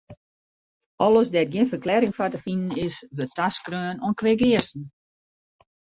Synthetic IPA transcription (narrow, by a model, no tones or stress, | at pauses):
ɔləsdɛt̚ɡjiənfərklɛːɾɪŋfatəfinən̩ɪsʋøtaskrøːnoənkʋɪɡɪərsn̩